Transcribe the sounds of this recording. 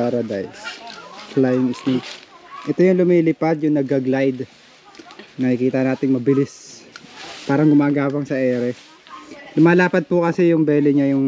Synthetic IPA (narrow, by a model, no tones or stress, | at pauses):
aɾɐd̪a̰jsflajɪŋɪsnikʔɛt̪ojʊŋlʊmiːlɪpad̪̚jʊŋnɐɡɐɡlajd̪ | nɐhikiːt̪ɐnaːt̪ɪŋmɐbɪlɪs | paːɾɐŋɡʊmaːɡaːwɐŋsɐʔɛːɾɛ | lʊmaːlaːpɐd̪̚pʊkɐsɛjʊŋbɛːlɛɲajʊŋ